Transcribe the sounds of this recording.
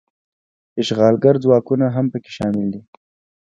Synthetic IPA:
ɪʃɣɑlɡaɾd͡zwɑkunaɦampəke̥ʃɑmɪld̪i

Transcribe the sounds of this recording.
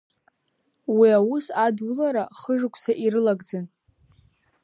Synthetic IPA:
wiawusadulaɾaχəʐɨkʷʰʼsaʔiɾɨlaɡd͡zɨn

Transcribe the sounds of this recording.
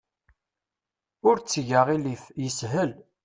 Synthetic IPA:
ʊɾt͡sːʝəʁilifjəsɦəl

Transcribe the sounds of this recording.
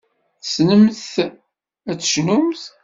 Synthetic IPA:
θsnəmθ | æt͡sːə̥ʃnumθ

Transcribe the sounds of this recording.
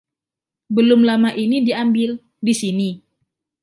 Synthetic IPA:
bəlʊmlamaʔinidiambɪl | disini

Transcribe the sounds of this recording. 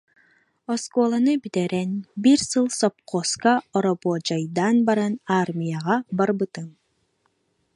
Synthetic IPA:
ɔskɔlˠanɯbit̪ɛɾɛnbiɾsɯlˠsɔp̚qɔːskaɔɾɔpuːd͡ʒajd̪anbaɾanaɾmʲijaʁabaɾbɯt̪ɯŋ

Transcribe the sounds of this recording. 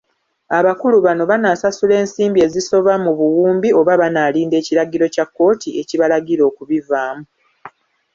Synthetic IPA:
aβakuluβano̞βanaːsasule̞ːnsiːmbie̞ːziso̞βamuβuwuːmbio̞βaβanaːliːnde̞ːciɾaɡiɾo̞cakːo̞ːtʰie̞ciβalaɡiɾo̞ːkuβivaːmu

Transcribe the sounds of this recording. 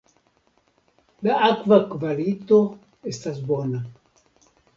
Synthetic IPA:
laʔakvakvalit̪o | est̪asbona

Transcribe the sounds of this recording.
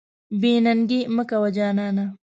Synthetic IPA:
biːnɐŋɡiməkɐwɐd͡ʒaːnaːna

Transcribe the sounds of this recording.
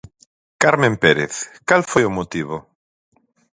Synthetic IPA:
kaɾmẽmpeɾeθkalfojomot̪iβo

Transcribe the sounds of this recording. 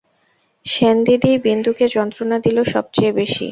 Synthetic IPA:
ʃend̪id̪ibind̪uked͡ʑɔnt̪ɾonad̪iloʃɔb̚t͡ɕejbeʃḭ

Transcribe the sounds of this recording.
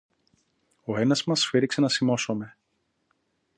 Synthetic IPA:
oenɐzmɐsfeɾikse̞nɐsimo̞some̞

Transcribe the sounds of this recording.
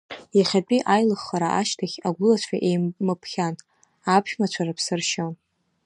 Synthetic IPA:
jaχʲat͡pʼiʔajlɨχːaɾaʔaʃtʰaχʲaɡʷʊlat͡ɕʷʰʼaʔejmɨpʰχʲan | apʰʃmat͡ɕʷʰaɾapʰsɨrʃon

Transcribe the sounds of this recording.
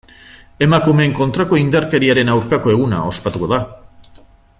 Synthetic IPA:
e̞makume̞ːŋko̞nt̪ɾako̞ind̪aɾke̞ɾiaɾe̞nawɾkako̞e̞ɣ̞una̰o̞spat̪uko̞ða

